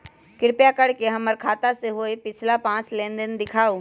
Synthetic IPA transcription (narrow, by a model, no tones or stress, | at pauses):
kɪɽpjakəɽkeɦɐmːəɾkʰaːt̪aseɦoepɪt͡ʃʰlapãːt͡ʃlẽːnd̪ɪnd̪ɪkʰaːo